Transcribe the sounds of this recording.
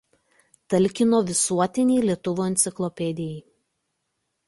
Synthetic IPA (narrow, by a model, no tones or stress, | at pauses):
t̪ɐlʲˑkʲɪnoːʋʲɪsuɔt̪ʲɪnʲiːlʲiɛt̪ʊʋoːɛnt̪sʲɪklˠɔpʲɛd̪ʲɪjɛɪ